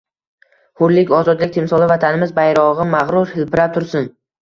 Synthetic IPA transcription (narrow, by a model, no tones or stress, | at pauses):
hʊɾlɪkʲɒzɒd̪lɪk̚ʲt̪ʰɪmsɒlˠɪvat̪ʰanɪmɪzbajɾɒʁɪmaʁɾʊɾhɪlpʰɪɾap̚t̪ʰʊɾsɪn